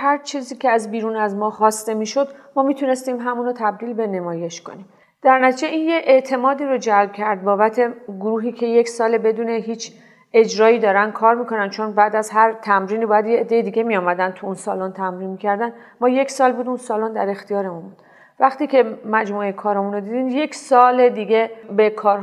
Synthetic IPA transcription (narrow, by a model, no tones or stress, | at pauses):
ɦæɾt͡ʃʰiːziːcʰeæzbiːɾuːnæzmɒːxɒːst̪e̞miːʃo̞d̪mɒːmit̪ʰune̞st̪iːmɦæmuːnot̪ʰæb̚d̪iːlbe̞ne̞mɒːje̞ʃko̞̰niːm | d̪̥æɾnæt̪ʰid͡ʒeʔinjeʔeʔt̪ʰe̞mɒːd̪iːɾod͡ʒælb̥̚cʰæɾd̪̚bɒːbæt̪ʰe̞ɡoɾuːɦiːcʰe̞je̞csɒːlebe̞d̪uːne̞ɦiːt͡ʃʰ | e̞d͡ʒɾɒːiːd̪ɒːɾænd̪̥̚kʰɒːɾmiːkʰo̞nænd̪t͡ʃʰonbæd̪æzɦæɾt̪ʰæmɾiːnibɒːjæd̪jeːd̪ːe̞jed̪iːɡe̞mijɒːmæd̪ænt̪ʰuunsɒ̰ːlont̪ʰæmɾiːnmicʰæɾd̪æn | mɒːje̞ksɒːlbuːd̪unsɒːlond̪æɾe̞xt̪ijɒːɾe̞munbuːd̪̥ | væχt̪iːcʰe̞mæd͡ʒmuːekʰɒːɾɒmunod̪id̪iːnje̞ksɒːled̪iːɟʲe̞be̞kʰɒːɾɦ